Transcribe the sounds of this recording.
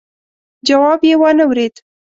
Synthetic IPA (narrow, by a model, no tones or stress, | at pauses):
d͡ʒawɑbjewənəwɾed̪